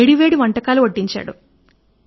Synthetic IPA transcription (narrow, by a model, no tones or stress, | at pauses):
eɽiʋe̞ːɽiʋɐɳʈɐkaːluoʈːiɲt͡ʃa̰ːɽṵ